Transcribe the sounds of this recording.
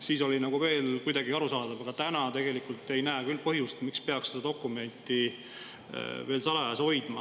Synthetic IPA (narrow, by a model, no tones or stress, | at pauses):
siːso̞lʲinɑɡuve̞ːlkujd̪̥ɑɡiɑɾusɑːd̪̥ɑvɑɡ̥ɑt̪ænɑt̪e̞ɡ̥e̞likˑult̪ːˑe̞jnæekylːpɤɦjust̪mikspe̞ɑksed̪ɑd̪okːˑume̞nʲt̪ːˑḭ | ve̞ːlsɑlɑjɑsho̞jd̪̥mɑ